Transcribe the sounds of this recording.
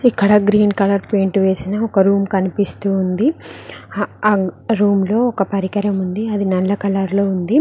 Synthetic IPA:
ikːɐɽɐɡɾiːnkɐlɐɾpeːɳʈʋe̞ːsinɐɔkɐɾuːmkɐnipist̪uːnd̪i | ɾuːmlo̞ːɔkɐpɐɾikɐɾɐmund̪iɐd̪inɛlːɐkɐlɐɾlo̞ːund̪i

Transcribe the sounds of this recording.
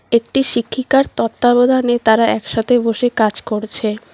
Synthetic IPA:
ek̚ʈiʃikʰːikaɾt̪ɔt̪ːabod̪ʱanet̪aɾaɛkʃat̪ʰeboʃekad͡ʑkoɾt͡ɕʰe

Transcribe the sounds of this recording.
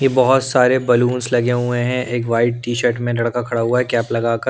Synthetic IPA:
jebɐɦʊt̪saːɾebɐluːnslɐɡeɦuẽɦɛ̃ʔeːkʋaːɪʈ̚ʈiːʃəɾʈmẽlɐɽkakʰɐɽaɦuaɦɛkjaːplɐɡaːkɐɾ

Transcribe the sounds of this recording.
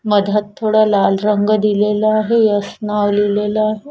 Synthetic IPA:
məd̪ʱət̪ʰːoːɽalaːlɾəŋɡd̪ilelaːɦejəsnaʋlileːlaːɦe

